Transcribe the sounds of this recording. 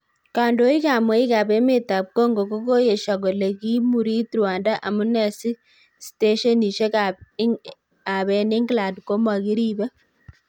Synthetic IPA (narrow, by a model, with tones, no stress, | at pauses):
ka˨ndo˦i˦ka˨mwɛ˦i˦ka˨bɛ˦me˨ta˨p̚kɔ˦ŋɡo˨ko˦ko˦je˨ʃa˨ɣo˨le˨ki˦mu˨ɾi˦tɾwa˨nda˦ʔa˨mu˦nɛ˨si˦ | ste˦ʃe˦ni˨ʃe˦ka | a˨βɛ˨ni˦ŋɡla˨ndko˦ma˨ki˦ɾi˦ba˦